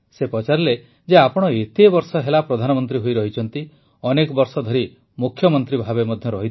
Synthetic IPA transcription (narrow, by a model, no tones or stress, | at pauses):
sepɔt͡ʃaɾle | d͡ʒeapɔɽ̃ɔet̪ebɔɾsɔɦelapɾɔd̪ʱanɔmɔnt̪ɾiɦojɾɔɦit͡ʃʰɔnt̪i | ɔnekɔbɔɾsɔd̪ʱɔɾi | mukʰːjɔmɔnt̪ɾibʱabemɔd̪ʱjɔɾɔɦit̪ʰ